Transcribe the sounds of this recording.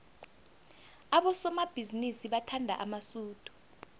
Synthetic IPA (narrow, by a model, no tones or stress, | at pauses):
aɓɔsɔmab̥ʱizinisiɓatʰandʱa̰ʔamasuːd̥ʱu̥